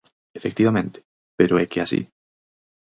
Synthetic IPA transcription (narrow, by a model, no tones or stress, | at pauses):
efek̚t̪iβamẽnt̪e̥ | peɾoekeasḭ